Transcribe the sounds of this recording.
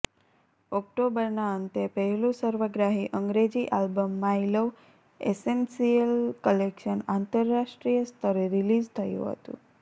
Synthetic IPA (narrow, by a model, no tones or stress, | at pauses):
ɔk̚ʈobəɾnaənt̪epəɦelũsəɾʋəɡɾaɦiʔəŋɡɾed͡ʒiʔalbəmːailəʋ | ḛsensijəlkəlekʃənant̪əɾːaʃʈɾijəst̪ʰəɾeɾilid͡ʒt̪ʰəjṵ̃ɦə̰t̪ṵ̃